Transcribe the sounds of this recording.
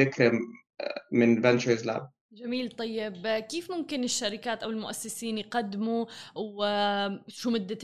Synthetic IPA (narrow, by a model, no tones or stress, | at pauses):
ɪkɾ | mɪnvɛnt͡ʃəɹzla̰ːb̚ | d͡ʒamiːlt̪ˤɑjːɪbkeːfmʊmkɪnɪʃːaɾɪkaːt̪ʔawɪlmʊʔasːɪsiːnjqad̪ːmuw | ʃumʊd̪ːa